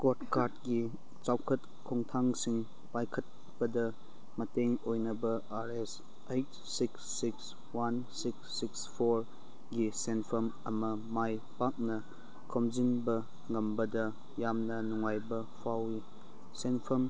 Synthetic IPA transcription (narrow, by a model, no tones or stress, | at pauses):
kotkaɾtɡi | t͡ʃawkʰɐt | kʰɔŋtʰaŋsiŋ | pajkʰɐt̚ | b̥ɐdɐ | mɐteŋojnɐbɐ | aɾes | ejt̚ | siksːiks | wansiksːikspʰoɾ | ɡisenpʰɐmɐmɐ | majpak̚nɐ | kʰomzinbɐ | ŋɐmbɐdɐ | jamnɐnuŋajbɐ | pʰawi | senpʰɐm